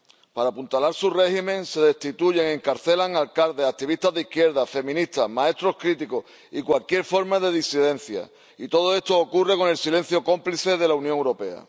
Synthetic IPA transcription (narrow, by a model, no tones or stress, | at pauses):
paɾapunt̪alaɾsure̞himẽ̞ŋse̞ðe̞st̪it̪uʝe̞ŋe̞ŋkaɾθe̞laŋalkalðeak̚t̪iβ̞ist̪azðihkje̞ɾðafe̞mĩnist̪amae̞t̪ɾo̞hkɾit̪iko | ikwalkje̞ɾfo̞ɾmaðe̞ðisiðe̞n̟θja̰ | it̪o̞ð̞oe̞st̪o̞ːkure̞ko̞ne̞lsile̞n̟θjo̞ko̞mpliθe̞ðe̞launjõŋewɾo̞pe̞a̰